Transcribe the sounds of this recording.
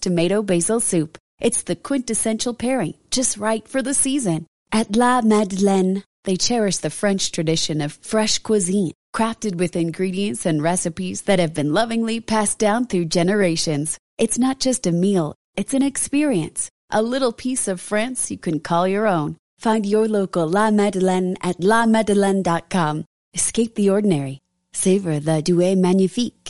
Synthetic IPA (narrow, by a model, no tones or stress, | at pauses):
tʰɨmeɪɾoʊbeɪzl̩ˠsʉp | ʔɨtsðɨkʰw̥ɪ̃ntɨsɛ̃nʃl̩ˠpʰɛɹɪ̃ŋd͡ʒʌst̚ɹaɪtfə˞ðɨsizɨ̃n | ʔɨtˡlæmædlɛ̃n | ðeɪt͡ʃʰɛɹɨʃðɨfɹɛ̃nt͡ʃtʰɹ̥ɨdɪʃɨ̃nʌv̥fɹɛʃkʰw̥ɨzĩnkʰɹ̥æftɨd̚wɨðɨ̃nɡɹiɾiɨ̃ntsɨ̃nɹɛsɨpizðɨt̚hɨvbɨ̃nlʌvɪ̃ŋlipʰæsd̥ãʊ̃nθɹʉd͡ʒɛnə˞eɪʃɨ̃nz̥ | ʔɨtsnət̚d̥ʒ̥ʌstɨmilˠ | ɨtsɨ̃ñɨkspɪɹiɨ̰̃ns | ʔəlɪɾl̩ˠpʰisʌv̥fɹɛ̃nsjɨkʰɨ̃nkʰɔlˠjə˞õʊ̃n | fãɪ̃ndjə˞loʊkl̩ˠlɑmɛdəlɨ̃nɨtˡlɑmɛdəlɨ̃ndɑt̚kʰɑ̃m | ɨskeɪp̚ðiɔɹdⁿn̩ɛɹi | seɪvə˞ðɨdʉeɪmæ̃njɨfik